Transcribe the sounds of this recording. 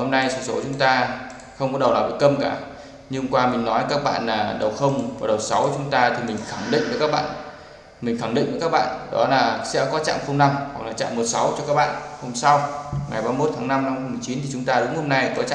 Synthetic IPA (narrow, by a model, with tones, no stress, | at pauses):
ho˧mna˧jsɨ˧˩so˨˦t͡ɕʊ˨˦ŋ͡mt̪aː˧ | xə˧ŋ͡mkɔ˨˦˥ɗə˨˩wlaː˨˩ɓḭ˧˨˩kə˧mkaː˧˩ | ɲɨ˧kwaː˧mï˨˩ŋ̟nɔ˨˦jkaː˦˥k̚ɓa̰ː˧˨nlaː˨˩ɗə˨˩wxə˧wŋ͡mvaː˨˩ɗə˨˩wsa˨˦wt͡ɕʊ˨˦ŋ͡mt̪aː˧t̪ʰi˨˩mï˨˩ŋ̟xaː˧˩ŋɗḭ̈˧˨ŋ̟vəː˨˦jkaː˦˥k̚ɓa̰ː˧˨n | mï˨˩ŋ̟xaː˧˩ŋɗḭ˧˨ŋvəː˨˦jkaː˦˥k̚ɓa̰ː˧˨nɗɔ˨˦laː˨˩sɛ̰˧˥kɔ˨˦t͡ɕa̰ː˧˨mfə˧ŋ͡mna˧mhwa˨˩klaː˨˩t͡ɕa̰ː˧˨mːo˨˩t̚sa˨˦wt͡ɕɔ˧kaː˦˥k̚ɓa̰ː˧˨nho˧msa˧wŋa˨˩jɓaː˧mo˦˥t̪ʰaː˨˦ŋna˧mna˧m˧mɨ˨˩jt͡ɕi˨˦nt̪i˨˩t͡ɕʊ˨˦ŋ͡mt̪aː˧ɗʊ˨˦ŋ͡mho˧mna˧jkɔ˨˦t͡ɕa̰ː˧˨